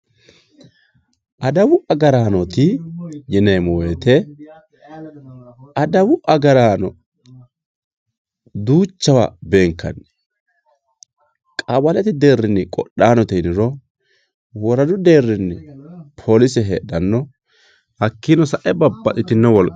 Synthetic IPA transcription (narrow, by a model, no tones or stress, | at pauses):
ʔɐd̪ɐwʊʔɐɡɐɾaːnɔt̪ɪjɛnɛjmɔweːt̪ɛ | ɐd̪ɐwʊʔɐɡɐɾaːnɔ | d̪uːt͡ʃːɐwabeːŋkːɐ̰nːɛ̥ | kʼɐbɐlɛt̪ɪd̪e̞ːrːɪnːɪkʼɔɗaːnɔt̪ɛnɪɾɔ | wɔɾɐd̪ʊd̪e̞ːrːɪnːɪpʰoːlɪsɛɦeːɗɐnːɔ | hɐkːɪnɔsɐʔɛbɐbːɐʔʼɪt̪ɪnːɛwɔlkʼ